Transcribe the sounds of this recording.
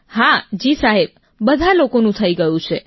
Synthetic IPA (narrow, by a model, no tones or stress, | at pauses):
had͡ʒisaɦeb̚ | bəd̪ʱalokonũt̪ʰəiɡəjũt͡ʃʰe